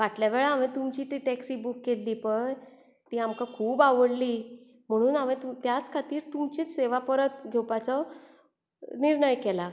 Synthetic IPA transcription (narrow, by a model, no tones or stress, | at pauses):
ʋaʈljaʋeɭaamẽt̪umt͡ɕiːt̪iʈɛksiːbukːelːiːpəɳ | t̪iːamkakʰuːbaʋəɽliː | m̤əɽ̃uːnaʋet̪ut̪jat͡skʰat̪iːɾt̪umt͡ɕet͡sseʋapəɾət̪̚ɡʱewpat͡sɔ | niɾɳəjkela